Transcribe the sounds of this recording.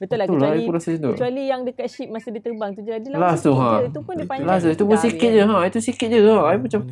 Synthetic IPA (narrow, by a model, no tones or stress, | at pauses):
bət̪ulaikuɾasəsind̪uət͡ʃualijaŋdəkat̪̚ʃip̚masidit̪əbaŋt̪ud͡ʒəladilasuɦãupʊndipalas̬uit̪ubəsikit̪̚d͡ʒəɦãit̪usikit̪̚d͡ʒəɣajmat͡ʃam